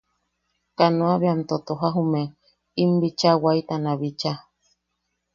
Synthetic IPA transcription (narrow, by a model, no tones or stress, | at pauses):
kanõaβeamt̪ot̪oɦaɦume | imbit͡ʃawajt̪anaβit͡ʃa